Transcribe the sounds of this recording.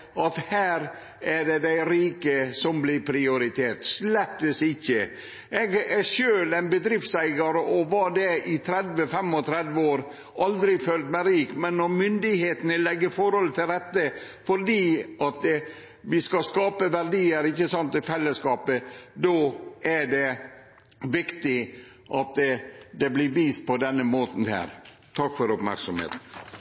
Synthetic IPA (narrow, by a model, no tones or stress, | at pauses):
ɑt̪hæːɾ | æɖɛd̪æɪɾiːkəsɔmblɪɾpʰɾɪʊɾɪt̪ʰeːɾt̪slɛt̪ːəsɪçːə | ɛɡɛʂøːlæɪnbəd̪ɾɪft̪sæɪɡɑɾəʔɔʋɑd̪ɛɪt̪ʰɾɛd̪ʋəfɛmɔt̪ʰɾɛd̪ʋəoːɾ | ʔɑld̪ɾɪfølt̪mæɪɾiːkmɛnːɔɾmʏnd̪ɪheːt̪ənəlɛɡːəɾfɔɾhɔlt̪ʰɪlɾɛt̪ːə | fɔɾɖiːʔɑt̪ | ʋɪskɑskɑːpəʋæɾɖiːəɾɪçːəsɔnt̪ɪfɛlːəskɑːpəd̪ɔʔæɖɛ | ʋɪkt̪ɪ | ʔɑt̪d̪ɛblɪʋiːst̪̚pʰɔd̪ɛnːəmoːt̪n̩hæ̰ːɾ | t̪ʰɑkːfɔɾʊpmæ̰ɾksɔmhḛːt̪n̩